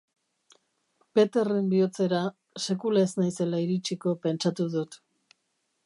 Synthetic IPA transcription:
pe̞t̪e̞rimbio̞t͡se̞ɾa | se̞kulaeznajse̞laiɾit͡ʃiko̞pe̞nt͡ʃat̪uðut̪

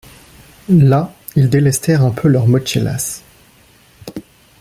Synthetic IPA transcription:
la | ild̪elɛst̪ʰɛʁɛ̃pʰølœʁmɔt͡ʃela̰s

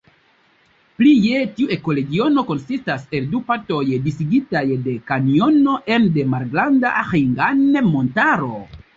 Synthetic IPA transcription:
plijetiue̞ko̞le̞ɡio̞no̞ko̞nsistase̞ldupato̞jdisiɡitajde̞kanio̞no̞ʔemde̞maɾɡɾandaaxiŋɡanemo̞ntaɾo̞̰

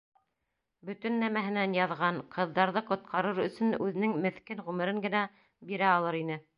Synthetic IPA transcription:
bɵ̆t̪ɵ̆nːæmæɦɘ̆nænjɑðʁɑɴqɤ̆ðːɑɾðɤqŏt̪̚qʰɑɾɤɾɵ̆sɵ̆nʉðɘ̆nɘŋmɘ̆θkɘnʁʉmɘ̆ɾɘŋɡɘ̆næ | biɾæɑlˠɤɾinɘ

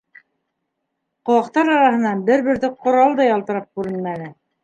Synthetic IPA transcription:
qŏwɑqt̪ɑɾɑɾɑɦɤ̆nɑnbɘɾβɘ̆ɾðɘqŏɾɑlˠd̪ɑjɑlˠt̪ɤ̆ɾɑp̚kʉɾɘnmænɘ

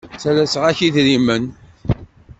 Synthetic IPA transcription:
t͡sælæsəʁæçiðɾimən

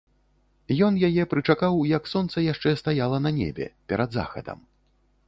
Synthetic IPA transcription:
jɔnjajɛpɾɨt͡ʂakawjɐksɔnt̪sɐjaʂt͡ʂɛst̪ajalˠɐnɐnʲɛ̰bʲɛ̰pʲɛɾɐd̪za̰xɐ̰d̪ɐ̰m

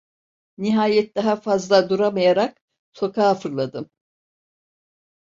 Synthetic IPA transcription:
niɦaːjɛt̪̚d̪aɦafazlˠad̪uɾamajaɾak̚ | so̞kʰaːfɯɾlˠad̪ɯm

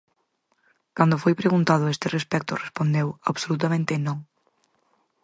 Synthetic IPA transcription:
kand̪ʊfojpɾeɣunt̪að̞ʊest̪ɪrespɛk̚t̪ʊrespond̪ewaβsolut̪amẽnt̪ɪnõŋ

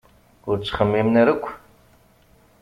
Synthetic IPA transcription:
ut͡ʃʼχəmeːmnɐɾɨkʷʰ

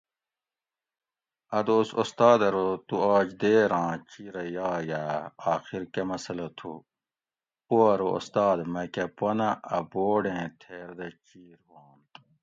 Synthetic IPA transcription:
ɐd̪oːsost̪aːd̪ɐɾot̪uaːd͡ʑd̪eːɾãːt͡ɕiɾɐjɑːjaːaːxiɾkɐmɐsɐlɐt̪ʰṵ | poɐɾoo̰st̪aːd̪mɐkɐpɐnɐɐboːɖẽːt̪ʰeːɾd̪ɐt͡ɕiːɾhoːnt̪

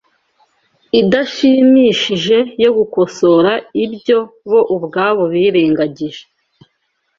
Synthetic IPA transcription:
idaʃimiːʃiʒe̞jo̞ɡuko̞so̞ɾaibjɟo̞βo̞ʔubɡaːβo̞βiːɾeːŋɡaɟiʒe̥

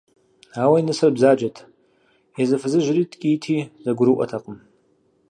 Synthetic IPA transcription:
awainɨsɨrbzad͡ʒatʰʼ | jazɨfɨzɨʒʷritʼkʲʼiːtʰizaɡʷʊɾuʔʷʼa̰tʰaqʼəm

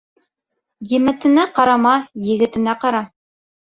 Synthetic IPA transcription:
jɘ̆mɘ̆t̪ɘ̆næqɑɾɑmɑjɘ̆ɡɘ̆t̪ɘ̆næqɑɾɑ

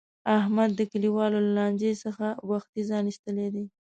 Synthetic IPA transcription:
ahmad̪ːəkaliwɑlolalɑnd͡ʒesəxawaxt̪izɑniʃt̪əled̪e

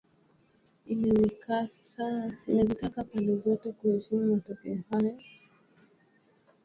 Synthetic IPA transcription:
inɛwikasainɛvitakapandɛzɔtɛkuhusimumatɛkɛɔhajɔ

